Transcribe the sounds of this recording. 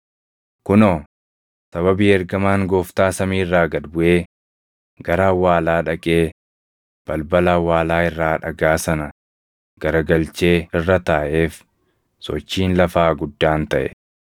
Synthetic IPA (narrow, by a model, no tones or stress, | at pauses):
kʊnoː | sɐβɐbiːɛɾɡɐmaːŋɡo̞ːft̪aːsɐmiːrːaːɡɐd̪bʊʔe̞ː | ɡɐɾɐɐwːaːlaːᶑɐkʼeː | b̥ɐlbɐlɐɐwːaːlaːɪrːaːᶑɐɡaːsɐnɐ | ɡ̥ɐɾɐɡɐlt͡ʃe̞ːɪrːɐt̪aːʔe̞ːf | sɔ̰t͡ʃːiːnlɐfaːɡʊd̪ːaːnt̪ɐʔɛ̰